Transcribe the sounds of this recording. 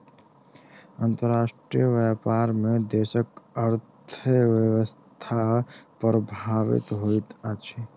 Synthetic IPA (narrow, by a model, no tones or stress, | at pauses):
ənt̪əɾaːʃʈɾijəʋɛpaːɾmẽd̪eːʃəkəɾt̪ʰʋjəwəst̪ʰapɾəbʱaːʋɪ̰t̪ɦoit̪at͡ʃʰe